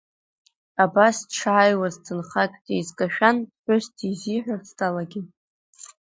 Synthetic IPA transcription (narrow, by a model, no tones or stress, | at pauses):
abasʈ͡ʂʰʕajwazt͡sʰɨnχakʲʼtʼejzkʼaʃᶣandħʷʊstʰiziħʷᶣastʰʼalaɡʲi